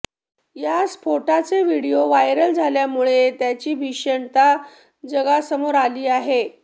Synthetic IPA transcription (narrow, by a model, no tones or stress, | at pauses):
jaspʰoʈat͡seʋiɽijoʋajɾəld͡zʱaljamuɭet̪jat͡ɕiːbʱiɕəɳt̪a | d͡zəɡasəmoɾaliːaɦe